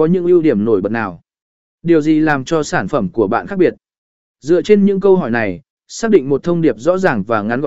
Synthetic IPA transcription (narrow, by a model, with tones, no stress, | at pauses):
ɔ˨˦ɲɨ̰˧˥ŋʔi˧wɗi˧˩əmno˧˩jɓə˨˩t̚naː˨˩w | ɗi˨˩əwzi˨˩laː˨˩mt͡ɕɔ˧saː˧˩nfə˧˩mku˧˩əɓa̰ː˧˨nxaː˦˥k̚ɓi˨˩ət̚ | zɨ̰˧˨ət͡ɕe˧nɲɨ̰˧˥ŋkə˧wɦɔ˧˩jna˨˩j | saː˦˥k̚ɗḭ˧˨ŋ̟mo˨˩t̪ʰə˧wŋ͡mɗi˨˩əp̚zɔ̰˧˥zaː˨˩ŋvaː˨˩ŋa˨˦nv